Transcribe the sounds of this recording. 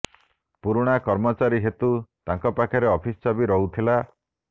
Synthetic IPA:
puɾuɽ̃akɔɾmɔt͡ʃaɾiɦet̪ut̪aŋkɔpakʰɔɾeɔpʰist͡ʃabiɾɔɦut̪ʰila

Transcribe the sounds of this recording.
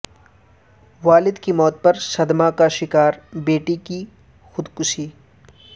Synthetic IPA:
ʋaːlɪd̪kimɔːt̪̚pɐɾsɐd̪makaʃɪkaːɾbeːʈiki | xʊd̪kʊʃiː

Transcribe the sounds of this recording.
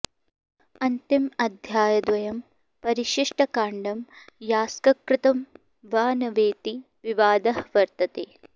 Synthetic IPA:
ɐnt̪imɐd̪ʱjaːjɐd̪ʋɐjɐm | pɐɾiʃiʂʈɐkaːɳɖɐmjaːskɐkɾɪt̪ɐm | ʋaːnɐʋeːt̪i | ʋiʋaːd̪ɐɦʋɐɾt̪ɐt̪eː

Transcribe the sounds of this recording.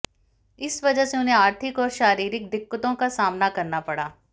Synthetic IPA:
ɪsʋɐd͡ʒəseʊn̤ɦẽaːɾt̪ʰɪkɔːɾʃaːɾiːɾɪk̚d̪ɪkːət̪õkasaːmnakɐɾnapɐɽ̤aː

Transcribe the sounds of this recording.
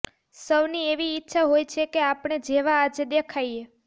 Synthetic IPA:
səʋnieʋiːtːʃʰaɦojt͡ʃʰekeapɳ̃ed͡ʒeʋaːd͡ʒed̪ekʰaje

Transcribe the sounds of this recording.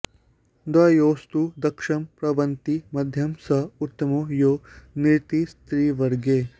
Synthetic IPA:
d̪ɐjoːst̪ud̪ɐkʂɐmpɾɐʋɐnt̪imɐd̪ʱjɐmsɐut̪ːɐmojoːniɾt̪ist̪ɾiːʋɐɾɡeː

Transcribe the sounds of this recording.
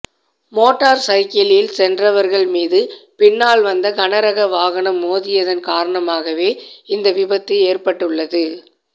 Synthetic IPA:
moːʈːaːɾsɐɪkɐljɪlsɛndrɐʋɐɾɣɐɭmiːðɯpɪnːaːɭʋɐnd̪ɐkɐɳɐɾɐɣɐʋaːɣɐɳɐmoːðɪjɐðɐnkaːɾɐɳɐmaːɣɐʋeːɪnd̪ɐʋɪbɐt̪ːɐeːrpɐʈːɯɭːɐðɯ

